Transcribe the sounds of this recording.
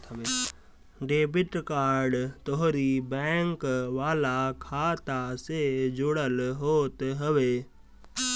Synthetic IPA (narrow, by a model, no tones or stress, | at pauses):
e | ɖeːbɪʈkaːɾɖt̪oɦɾibɛ̃ːŋkʋaːlakʰaːt̪ased͡ʒʊɽəlɦoːt̪ɦəʋeː